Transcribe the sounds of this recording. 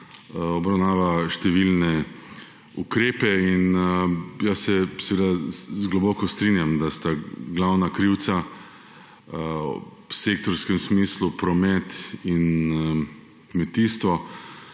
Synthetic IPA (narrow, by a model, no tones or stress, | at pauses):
ɔbɾawnaːʋaʃt̪ɛʋilnɛ | ukɾeːpɛin | jasɛsɛʋed̪azɡlɔbɔːkɔst̪ɾinjamd̪ast̪aɡlawnakɾiw̪sa | ɔ̰psek̚t̪ɔɾskɛmsmiːslupɾɔmɛt̪in | kmɛt̪iːst̪ʋɔ